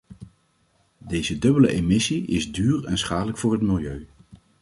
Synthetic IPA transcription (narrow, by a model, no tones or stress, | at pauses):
dejzədɵbələ̰ʔemɪsiɪzdyːrɛnsχaːdələkfʊːɹɦətmɪlˠjøɥ